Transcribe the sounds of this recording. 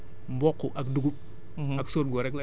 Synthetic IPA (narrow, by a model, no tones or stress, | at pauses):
mbɔkːɔʔɐkduɡup̩̚ | ɐksoːt̚ɡɔɾɛklɐ